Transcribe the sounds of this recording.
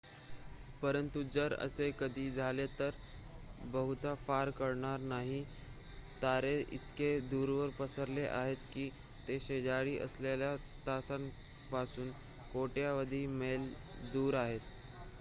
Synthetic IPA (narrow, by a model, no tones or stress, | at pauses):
pəɾənt̪ud͡zəɾə̰sekəd̪ʱiːd͡zʱalet̪əɾ | bəɦut̪afaɾkəɾɳaɾnaɦi | t̪aɾeḭt̪ked̪uːɾʋəɾpəsəɾleʔa̰ɦet̪kiː | t̪eɕed͡ʑaɽiːʔə̰sleljat̪asan | pasuːn | koʈjaʋəd̪ʱiːmel | d̪uːɾaɦet̪